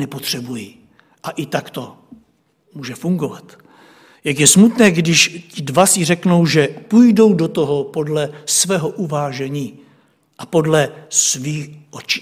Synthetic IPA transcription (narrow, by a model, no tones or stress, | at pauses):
nɛpot̪r̝̥ɛbuji | ʔaʔɪt̪akt̪o̞ | muːʒɛfuŋɡo̞vat̪ | jakjɛsmut̪nɛːɡdɪʃcɪdvasɪrɛkno̞wʒɛpujdo̞wdot̪o̞ɦo̞po̞dlɛsvɛːɦo̞ʔuvaːʒɛɲiː | ʔapo̞dlɛsviːxʔot͡ʃi̥ː